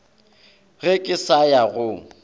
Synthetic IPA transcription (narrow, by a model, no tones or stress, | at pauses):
ɣɪkʼɪsajaɣʊ